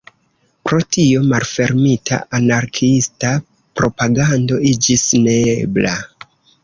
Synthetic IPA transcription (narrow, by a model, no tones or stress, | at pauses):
pɾo̞tio̞malfe̞ɾmitʰa̰ʔanaɾkʰista | pɾo̞paɡando̞id͡ʒisne̞eebla̰